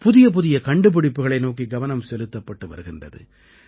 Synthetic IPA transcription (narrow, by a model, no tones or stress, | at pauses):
pʊðɪjɐp̬ʊðɪjɐkɐɳɖɯp̬ɪɽɪpːɯɣɐɭɐɪnoːkiɡɐʋɐnɐmsɛlɯt̪ːɐpːɐʈːɯʋɐ̰ɾɯɣɪndrɐ̰ðɯ̰